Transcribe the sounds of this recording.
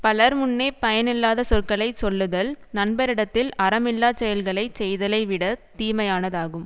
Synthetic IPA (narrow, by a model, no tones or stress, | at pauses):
pɐlɐɾmʊnːeːpɐjɐnɪlːaːðɐsɔrkɐɭɐɪsɔlːɯðɐlnɐnbɐɾɪɽɐt̪ːɪlɐɾɐmɪlːaːt͡ʃɛjɐlɣɐɭɐɪt͡ʃɛjðɐlɐɪʋɪɽɐt̪iːmɐjaːnɐðaːɣɯm